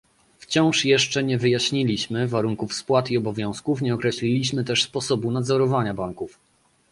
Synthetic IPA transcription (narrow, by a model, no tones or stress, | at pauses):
ft͡ɕɔ̃w̃ʂjɛʂt͡ʂɛɲɛvɘjaɕɲilʲiɕmɘvaɾuŋkufspwat̪iɔbɔvʲjɔ̃w̃skufɲɛɔkɾɛɕlʲilʲiɕmɘt̪ɛʂspɔsɔbunad̪zɔɾɔvaɲabaŋkuf